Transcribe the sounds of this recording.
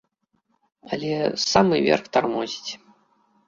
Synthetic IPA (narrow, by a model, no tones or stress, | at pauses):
ɐ̰lʲɛsamɨvʲɛ̰rxt̪armɔzʲi̥t͡sʲ